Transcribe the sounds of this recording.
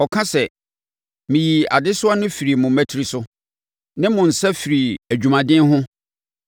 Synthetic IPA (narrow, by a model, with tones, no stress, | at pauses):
ɔ˨kʰã˦sɛ˨ | mĩ˨ji˨a˨dɪ˦sʊ˦a˦nʊ̃˦fi˨ɾi˨mʊ̃˨mæ˦tʰi˨ɾi˨sʊ˦ | nɪ̃˦mʊ̃˨n̩˨sɛ˦fi˨ɾi˨æ˨d͡ʑᶣu˨mã˨dɪ̃˦nɦʊ̃˦